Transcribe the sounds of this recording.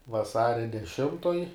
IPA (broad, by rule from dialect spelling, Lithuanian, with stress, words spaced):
ʋɐˈsɑːrʲɛ dʲɛˈʃʲɪmtoːj